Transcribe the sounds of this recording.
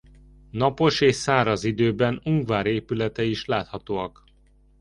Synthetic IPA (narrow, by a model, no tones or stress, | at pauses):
nɒpo̞ʃeːʃsaːɾɒzid̪øːbɛnuŋɡvaːɾeːpylɛt̪ɛiʃlaːt̪hɒt̪oːɒk